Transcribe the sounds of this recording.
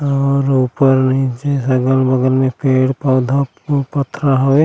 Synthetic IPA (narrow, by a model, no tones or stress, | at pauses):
ɔɾupəɾnit͡ʃesəɡəlbəɡəlmẽpʰeːɽpaːd̪ʱa | pət̪ʰːɾaɦoe